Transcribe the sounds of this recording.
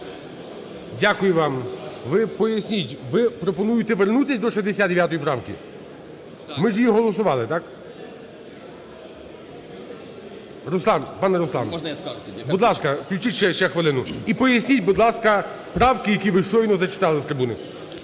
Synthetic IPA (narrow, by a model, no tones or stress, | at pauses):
dʲakʊjʊʋɑmʋɪpɔjɐsʲnʲitʲʋɪpɾɔpɔnujʊt̪ɛʋernut̪ɪsʲd̪ɔʃɛzʲd̪esʲad̪d̪eʋʲjat̪ɔjipɾɑwkʲḭ | mɪʒjiɦɔlˠɔsʊʋɑlˠɪt̪ɑk | rʊslˠɑnpɑnɛɾʊslˠɑ̰nɔnɐiskbud̪lˠɑskɐklʲut͡ʃitʲʃɛʃɛxʋɪlˠɪnʊipɔjɐsʲnʲit̚ʲbud̪lˠɑskɐ | pɾɑwkɪjɐkʲiʋɪʃɔjnɔzɐt͡ʃɪ̥t̪ɑlˠɪst̪ɾɪbunɪ